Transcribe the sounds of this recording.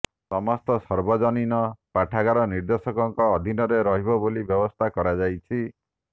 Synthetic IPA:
sɔmɔst̪ɔsɔɾbɔd͡ʒɔninɔpaʈʰaɡaɾɔniɾd̪ɔsɔkɔŋkɔːd̪ʱinɔɾeɾɔɦibɔbolibjɔbɔst̪ʰakɔɾad͡ʒajt͡ʃʰi

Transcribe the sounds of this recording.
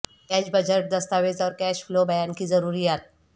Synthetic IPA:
kɛːt͡ʃbəd͡ʒəɾʈ̚d̪ɐst̪aːʋezɔːɾkɛːʃflobɐjaːnkizɐɾuːɾijaːt̪̚

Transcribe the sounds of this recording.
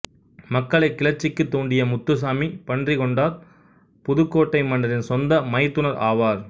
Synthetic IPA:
mɐkːɐɭɐɪkːɪɭɐt͡ʃːɪkːɯt̪ːuːɳɖɪjɐmʊt̪ːɯs̬aːmipɐɳdrikɔɳɖaːɾ | pʊðɯkːoːʈːɐɪmɐɳɖɐɾɪnsɔnd̪ɐmɐɪt̪ːɯnɐɾa̰ːʋaːɾ

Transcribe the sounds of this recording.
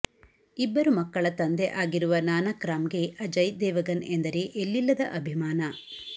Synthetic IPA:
ibːɐɾumɐkːɐɭɐt̪ɐnd̪eʔaːɡiɾuʋɐnaːnɐkɾaːmɡe̞ʔɐd͡ʒɐjd̪ɛːʋɐɡɐnend̪ɐɾe̞ʔelːilːɐd̪ɐʔɐbʱimaːnɐ

